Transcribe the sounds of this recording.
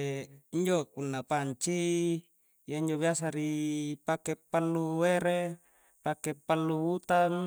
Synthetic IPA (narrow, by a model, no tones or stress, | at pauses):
iɲd͡ʒokunːapaɲt͡ʃi | jaiɲd͡ʒoβiasaɾipakepalːuweɾe | pakepalːubut̪an